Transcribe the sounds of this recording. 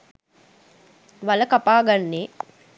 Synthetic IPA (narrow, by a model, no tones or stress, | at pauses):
ʋaləkapaːɡanːe